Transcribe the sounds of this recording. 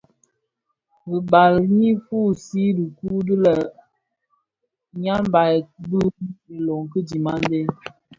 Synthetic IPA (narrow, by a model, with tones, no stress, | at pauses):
bi˨ba˨lmi˦fu˦˨si˦di˨ku˦də˦lə˨ | ɲa˦mba˨jbə˦i˨lo˨ŋkə˦di˨ma˦n˦de˦